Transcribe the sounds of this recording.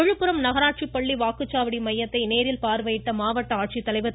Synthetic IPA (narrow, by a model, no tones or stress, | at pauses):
ɔɻɯpːɯɾɐmnɐɣɐɾaːʈ̚t͡ʃipːɐɭːiʋaːkɯt͡ʃːaːʋɐɽimɐjːɐt̪ːɐɪneːɾɪlpaːɾʋɐjɪʈːɐmaːʋɐʈːɐaːʈ̚t͡ʃit̪ːɐlɐɪʋɐ